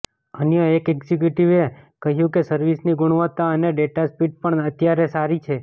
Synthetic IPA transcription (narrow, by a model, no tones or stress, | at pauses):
ənjəekɛɡzikjuʈiʋekəɦjũkesəɾʋisniɡʊɽ̃ʋət̪ːaəneɖeʈaspiʈ̚pəɳət̪jaɾesaɾit͡ʃʰe